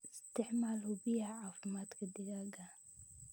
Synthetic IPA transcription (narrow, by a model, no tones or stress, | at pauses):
ɪst̪ɪʕmalubihaʕaːfɪmat̪kad̪iɡaɡa